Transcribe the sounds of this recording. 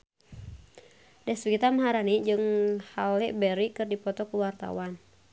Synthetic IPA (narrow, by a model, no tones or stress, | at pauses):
dɛsɡit̪amaɦaɾanid͡ʒɨŋhalɛʔbɛɾikɨrdipɔt̪ɔkuwart̪a̰wan